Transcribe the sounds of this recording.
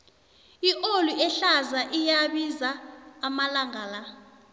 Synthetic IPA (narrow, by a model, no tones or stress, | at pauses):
iʔoluʔɛɬazaʔijaɓizaːmalaŋʱaːla